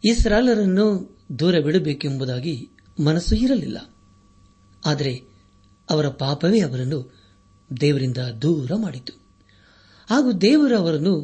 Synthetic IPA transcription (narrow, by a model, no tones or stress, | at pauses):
isɾaːjlɐɾɐnːu | d̪uːɾɐbiɽubeːkembud̪aːɡi | mɐnɐsːuiɾɐlḭlːɐ̰ | aːd̪ɐɾe̞ | ɐʋɐɾɐpaːpɐʋeɐʋɐɾɐnːu | d̪ɛːʋɐɾind̪ɐd̪uːɾɐmaːɽit̪ːu̥ | ɦaːɡud̪ɛːʋɐɾɐɐʋɐɾɐnːu